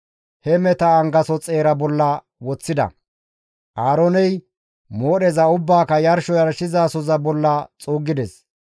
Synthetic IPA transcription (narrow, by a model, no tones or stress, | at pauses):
hɛmɛt̪ɐːŋɡɐsɔt͡sʼeːɾɐbɔlːɐ | wɔt͡sːɪd̪ɐ̰ | ʔaːɾonɛj | moːɗɛzɐʊbːaːkɐjɐɾʃɔjɐɾʃɪzaːsɔzɐbɔlːɐt͡sʼuːɡːɪd̪ɛs